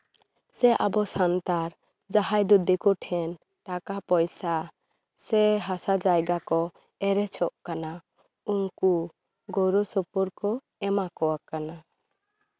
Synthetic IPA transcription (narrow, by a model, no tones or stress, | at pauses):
sɛʔabɔsant̪aɾ | d͡ʒaɦajd̪ɔd̪ɛkɔʈʰɛn | ʈakapɔjsa | sɛɦasad͡ʒajɡakɔ | ɛɾɛt͡ʃʰɔʔkana | uŋku | ɡɔɾɔsɔpɔɾkɔ | ɛmakɔwakana